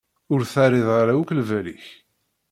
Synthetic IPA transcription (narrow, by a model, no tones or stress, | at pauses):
ʊɾθaɾɪðˤaɾauklvæliç